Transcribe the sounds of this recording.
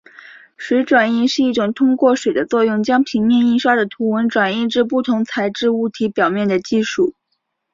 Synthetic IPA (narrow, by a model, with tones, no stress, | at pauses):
ʂwe˧˥ɪʈ͡ʂwa˨˩ni˥˧nʂɻ̩˥˧i˥˩ʈ͡ʂʊ˨˩ŋt̪ʰʊ˥ŋkwɔ˥˩ʂwe˨˩ɪd̪ə˦t͡swɔ˥˧jʊ˥˩ŋt͡ɕjɑ˥ŋpʰi˧˥ŋmjɛ˥˧ni˥˧nʂwa˥də˨˩t̪ʰu˧˥wə˧˥nʈ͡ʂwa˨˩ni˥˧ʈ͡ʂɻ̩˥˧pu˥˩t̪ʰʊ˧˥ŋt͡sʰa˧˥ɪʈ͡ʂɻ̩˥˧u˥˩t̪ʰi˧˥pjɑ˨˩ʊmjɛ˥˩nd̪ə˩t͡ɕi˥˧ʂu˥˩